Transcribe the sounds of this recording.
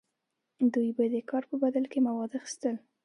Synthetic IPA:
d̪ujbad̪əkɑɾpəbad̪alkemawɑd̪axɪ̥st̪əl

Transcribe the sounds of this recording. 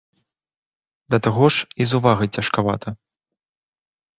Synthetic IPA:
d̪ɐt̪aɣɔʂizuvaɣɐjt͡sʲɐʂkava̰t̪ʰɐ

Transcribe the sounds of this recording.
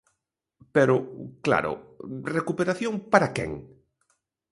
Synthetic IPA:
peɾʊkla̰ɾʊ̰rekupeɾaθjoŋpaɾakɛ̰ŋ

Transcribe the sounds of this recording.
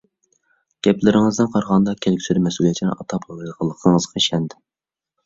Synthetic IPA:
ɡ̥ʲɛplɪɾɪŋɨzd̪ɪnqʰɑɾʁɑnd̪ɑkʲʰɛlɪkʲsyɾɪmɛsulˠijɛt͡ʃʰinɪ̰ʔɑt̪ʰɑpləlˠqʰəlˠːəqʰəŋəzqʰɑʃɛnd̪ɪ

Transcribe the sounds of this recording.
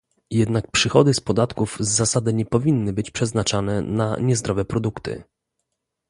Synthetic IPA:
jɛd̪nak̚pʂɘxɔd̪ɘspɔd̪at̪kuvzːasad̪ɘɲɛpɔvʲinːɘbɘt͡ɕpʂɛznat͡ʂanɛnaɲɛzd̪ɾɔvɛpɾɔd̪ukt̪ɘ̰

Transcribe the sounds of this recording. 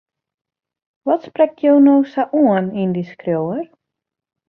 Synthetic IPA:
ʋɔtsprɛk̚tʰjownowsaʔuənindiskrjowər

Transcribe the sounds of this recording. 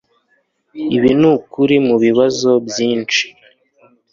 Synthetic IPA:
iβinukuɾimuβiβazo̞bjiːnt͡ʃi̥

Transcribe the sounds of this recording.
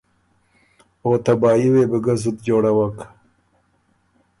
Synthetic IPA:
oːt̪abɑːiweːbəɡazud̪d͡ʒoːɽawak

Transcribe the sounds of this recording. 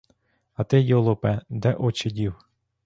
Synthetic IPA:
ɐt̪ɪjɔlˠɔpɛd̪ɛʔɔt͡ʃɪdʲiw

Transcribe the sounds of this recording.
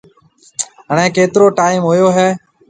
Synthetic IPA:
ɦəɳ̃ɛ̃ːkeːt̪ɾoːʈaːiːmɦoːjoːɦɛː

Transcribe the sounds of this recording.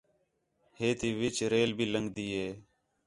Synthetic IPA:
heːt̪iːʋɪt͡ʃɾeːlbʱiːləŋɡd̪iːɦeː

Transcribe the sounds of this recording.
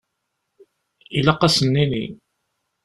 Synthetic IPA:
ilɑqːɑsənːinḭ

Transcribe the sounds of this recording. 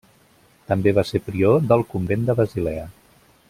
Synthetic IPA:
t̪əmbeβ̞asepɾioðəlˠkumbend̪əβəzilɛə

